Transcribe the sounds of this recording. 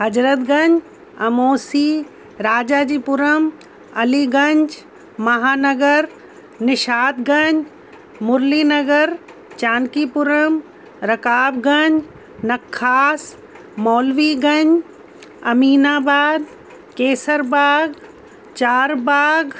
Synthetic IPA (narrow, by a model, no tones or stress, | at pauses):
ɦɐd͡ʒɾət̪ɡɐ̃ɲd͡ʒ | ɐ̰moːsi | ɾaːd͡ʒaːd͡ʒiːpʊɾəm | ɐliɡɐ̃ɲd͡ʒ | mɐɦaːnɐɡəɾ | nɪʃaːt̪ɡɐɲd͡ʒ | mʊɾliːnɐɡəɾ | t͡ʃaːnkipʊɾəm | ɾɐkaːbɡɐɲd͡ʒ | nɐkʰːaːs | mɔːlʋiːɡɐ̃ɲd͡ʒ | ɐ̰miːnaːbaːd̪ | keːsəɾbaːɡ | t͡ʃaːɾbaːɡ